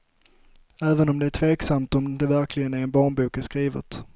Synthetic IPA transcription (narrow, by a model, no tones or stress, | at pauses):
æːvənɔmd̪ɛæʈʰveːksamt̪ɔmd̪ɛvæɾkʰlɪɡənæɾɛnbɑːɳbuːkæskɾiːvə̰t̪